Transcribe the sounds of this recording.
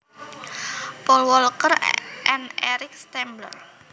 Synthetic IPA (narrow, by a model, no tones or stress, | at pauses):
pɔlwɔlkərʔɛnɛɾɪk̚st̪ɛmblə̰r